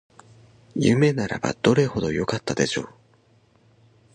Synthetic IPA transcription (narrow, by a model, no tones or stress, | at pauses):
jɯ̰me̞naɾa̰ba̰d̪̥o̞ɾe̞ho̞d̪o̞jo̞kat̪ːad̪e̞ɕo̞ː